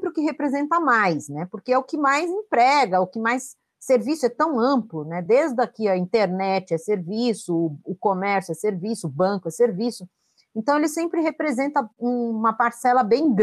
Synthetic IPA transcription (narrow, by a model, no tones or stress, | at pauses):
pɾɪʊkɪɦepɾezẽnt̪ɐmajsnɛpoɾkeɛʊkɪmajzẽpɾɛɡɐʊkɪmajsː | eɾvisʊɛt̪ɐ̃w̃ɐ̃mplʊnɛd̪ezd̪ɐkiɐĩnt̪eɾnɛt͡ʃɪɛseɾvisʊːkomɛɾsjʊɛseɾvisʊbɐ̃kʊɛseɾvisʊ | ẽnt̪ɐ̃w̃elɪsẽmpɾɪɦepɾezẽnt̪ɐũmɐpaɾsɛlɐbẽj̃ɡ